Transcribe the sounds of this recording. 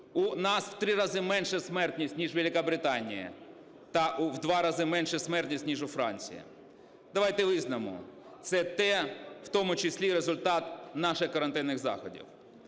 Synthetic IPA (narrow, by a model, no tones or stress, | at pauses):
ʊnɑsw̥t̪ɾɪɾɑzɪmɛnʃɛsmɛrt̪ʲnʲisʲtʲnʲiʒʋelʲɪkɐbɾɪt̪ɑnʲḭjɐ̰ | t̪ɐʔuwd̪ʋɑɾɑzɪmɛnʃɛsmɛrt̪ʲnʲisʲtʲnʲiʒʊfɾɑ̰nʲt͡sʲḭjɐ̰ | d̪̥ɐʋɑjt̪ɛʋɪznɐmʊ̰ | t̪sɛt̪ɛwt̪ɔmʊt͡ʃɪsʲlʲiɾezʊlʲt̪ɑt̪nɑʃɪxkɔɾɐnt̪ɪnːɪɣzɑ̰xɔdʲḭw